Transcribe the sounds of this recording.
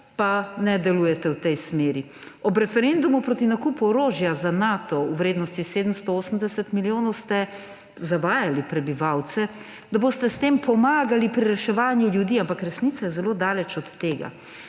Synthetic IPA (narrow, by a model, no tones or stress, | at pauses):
panɛd̪ɛlujɛt̪ɛwt̪ɛjsmeːɾi | ɔbɾɛfɛɾend̪umupɾoːt̪inakuːpuɔɾoːʒjazanaːt̪ɔuwɾeːd̪nɔst̪iseːd̪əmst̪ɔoːsəmd̪ɛsɛt̪miljoːnɔwst̪ɛ | zaʋaːjalipɾɛbiʋawt̪sɛ | d̪aboːst̪ɛst̪eːmpɔmaːɡalipɾiɾɛʃɛʋaːnjuljud̪iːampakɾɛsnit̪sajɛzɛloːd̪aːlɛt͡ʃɔt̪ːeːɡa̰